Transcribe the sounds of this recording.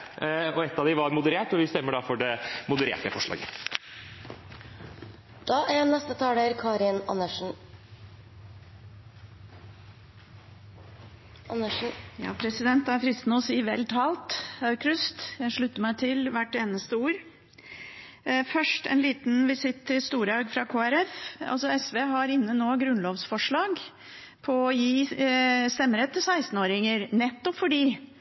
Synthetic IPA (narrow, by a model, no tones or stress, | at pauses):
ɔɛt̪ːɑʋd̪ɪʋɑɾmʊd̪əɾeːʈɔʋɪst̪ɛmːəɖɑfɔɖɛmʊd̪əɾḛːʈɛfɔʂlɑ̰ːɡə̰ | d̪̥ɑːʔæɾnɛst̪ət̪ʰɑːɖeːɾkʰɑːɾɪnɑnə | əjɑ̰ːpʰɾɛsɪd̪ɛnt̪æɾfɾɪst̪nɔsiːʋɛ̰lt̪ʰɑːlt̪ɑʉkʰɾʉst̪jæɪʂɭʉt̪ːəɾmæɪt̪ʰɪlʋæʈːeːnəst̪əuːɾ | fœʂʈɛ̰nliːt̪n̩ʋɪsɪt̪ʰːɪst̪uːɾɑɡfɾɑkʰoːæɾɛfɑ̰lsɔɛsʋeːɦɑɾɪnːənoːɡɾʉnloːʋsfɔʂɭɑːɡ | pʰɔɔjiːst̪ɛmːəɾɛt̪ːɪsæɪst̪n̩oːɾɪŋəɾnɛt̪ːɔpfɔɖiː